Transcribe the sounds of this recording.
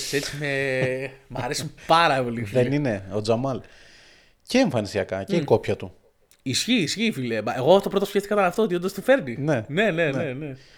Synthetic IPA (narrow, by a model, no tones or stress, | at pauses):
se̞t͡sime | mɐɾe̞sipɐɾɐpo̞lifðenine̞o̞d͡zɐmɐl | ceːɱfɐnisiɐkɐceiko̞pçɐt̪u | isçiːsçifilemɐʔe̞ɣot̪o̞pɾo̞t̪o̞sçeft̪ikɐt̪ɐnɐft̪oot̪iondɐst̪ufe̞ɾninene̞ne̞nene̞